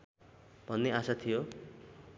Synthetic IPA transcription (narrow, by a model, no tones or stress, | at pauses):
bʱʌnːeasat̪ʰijo